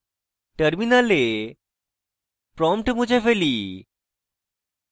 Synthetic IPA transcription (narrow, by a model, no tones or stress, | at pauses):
ʈəɾminale | pɾɔmʈmud͡ʑefeli